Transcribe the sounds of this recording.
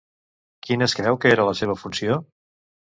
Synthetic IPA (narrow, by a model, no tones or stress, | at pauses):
kineskɾɛwkəeɾələseβəfunsio